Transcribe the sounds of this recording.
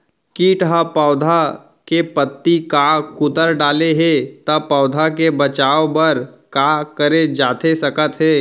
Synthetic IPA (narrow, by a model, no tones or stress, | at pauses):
kiːʈɦapɔːd̪ʱa | kepət̪ːikakʊt̪əɾɖaːleɦet̪ɐpɔːʊd̪ʱakebət͡ʃaːopəɾkakəɾed͡ʒaːt̪esɐkət̪ɦeː